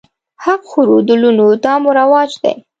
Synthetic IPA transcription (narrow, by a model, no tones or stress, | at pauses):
haqxuɾod̪əlunot̪ɑmoɾawɑd͡ʒd̪a̰j